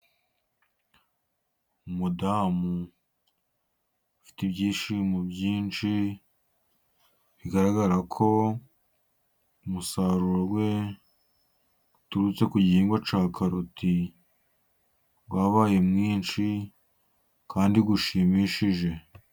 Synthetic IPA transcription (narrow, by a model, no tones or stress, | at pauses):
umudaːmu | fi̥tibɟiːʃimubjiːnt͡ʃi | βiɡaɾaɡaɾakʰo̞ | umusaːɾuɾoɡwe̞ | utuɾut͡se̞kuɟiiːŋɡwat͡ʃaːkʰaɾutʰi | ɡwaβaːje̞mŋiːnt͡ʃi | kaːndiɡuʃiːmiʃiʒe̞